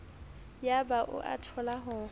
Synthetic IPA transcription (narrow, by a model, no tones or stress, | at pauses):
jabaʔʊ̰ʔa̰tʰɔlaɦʊː